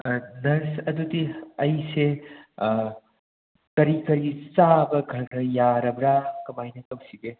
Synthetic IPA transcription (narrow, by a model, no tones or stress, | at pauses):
nɐɾsɐd̪ut̪iɐjse | kɐɾikɐɾisabɐɡʱɐɾɾɐjaɾɐbɾakɐmajnɐkɐmsiɡe